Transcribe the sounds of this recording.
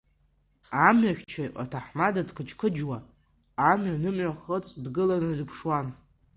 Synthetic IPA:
amɥaχʲt͡ʃʰaʔa̰tʰaħmadadkʰɨt͡ʃʰʼkʰɨd͡ʒwa | amɥanɨmʕʷaχət͡sʼdɡɨlanɨdɨpʰʂwan

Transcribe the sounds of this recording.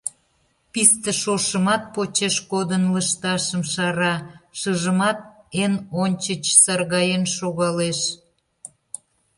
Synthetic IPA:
pist̪əʃoʃəmɑt̪̚pot͡ɕeʃkod̪ənləʃt̪ɑʃəmʃɑɾɑʃəʒəmɑt̪̚enonʲt͡ɕət͡ɕsɑrɣɑjenʃoɣɑleʃ

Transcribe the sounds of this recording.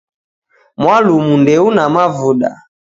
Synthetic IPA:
mwalumundɛunamavuɗa̰

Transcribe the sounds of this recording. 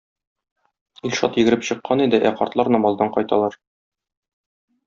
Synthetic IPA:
ilʲʃɒ̰t̪jɘɡɘ̆ɾɘpɕɤ̆qːɑnid̪ɘʔæqɒ̰ɾt̪lˠɑɾnɑmɒlˠd̪ɑɴqɒjt̪ɑ̰lˠɑɾ

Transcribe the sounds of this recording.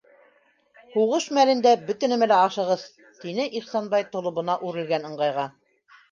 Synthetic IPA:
huʁɤʃmælɘ̆nd̪æbɵ̆t̪ɘ̆nɘ̆mælæɑʃɤ̆ʁɤð | t̪inɘʔiχsɑnbɑjt̪ŏlˠŏβɤ̆nɑʔʉɾɘ̆lɡænɤ̆ɴɢɑjʁɑ

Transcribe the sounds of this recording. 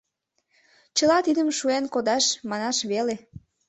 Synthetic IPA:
t͡ɕə̆lɑt̪id̪əmʃuenkod̪ɑʃmɑnɑʃβele

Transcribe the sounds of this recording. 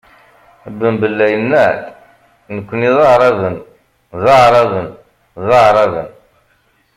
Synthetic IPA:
bːəmbəlːæjənːæθ | nəkʷːəniðˤɑʁɾˤɑvən | ðˤɑʕɾˤɑvən | ðˤɑʕɾˤɑvə̰n

